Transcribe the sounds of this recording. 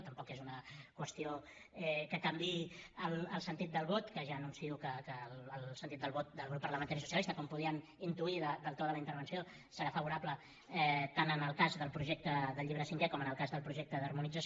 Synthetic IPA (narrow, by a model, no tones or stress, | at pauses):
t̪əmpɔkezunəkwəst̪io | ɛkəkambiəlˠəlˠsənt̪it̪̚d̪əlˠβot̪kəʒaənunsiukəkəlːlˠsənt̪it̪d̪əlˠβot̪̚d̪əlɣ̞ɾupːərləmənt̪aɾisu̥siəlist̪əkɔmpuð̞iən | int̪uiðəd̪əlˠt̪oðələint̪əɾβ̞ənsio | səɾafəβuɾaplə | ɛt̪anənəlˠkazðəlˠpɾuʒɛk̚t̪əðəʎːiβɾəsiŋkɛkɔmənəlˠkazðəlˠpɾuʒɛk̚t̪əðərmunid͡zəs